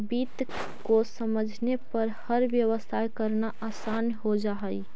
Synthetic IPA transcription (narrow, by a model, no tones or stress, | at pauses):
biːt̪ | kosəməd͡ʒʱnepəɾhəɾʋjəʋəst̪ʰajkəɾnaʔaːsaːnɦod͡ʒaɦəi